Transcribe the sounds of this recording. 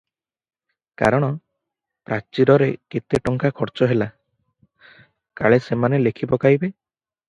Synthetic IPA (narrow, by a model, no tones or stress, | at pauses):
ka̰ɾɔɽ̃ɔ | pɾat͡ʃiɾɔɾeket̪eʈɔŋkakʰɔɾt͡ʃɔɦela | kaɭesemanelekʰibɔkaɦjbe